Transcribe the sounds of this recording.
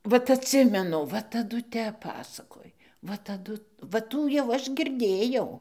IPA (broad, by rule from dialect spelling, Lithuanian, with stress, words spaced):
ˈʋɐt ɐtʲˈsʲɪmʲɛnʊ ˈʋɐ tɐˈdʊ ˈtʲɛp ˈpɑːsɐkoːj ˈʋɐ tɐˈdʊ ʋɐ ˈtuː jɛʊ ˈɐʃ ɡʲɪrʲˈdʲeːjɛʊ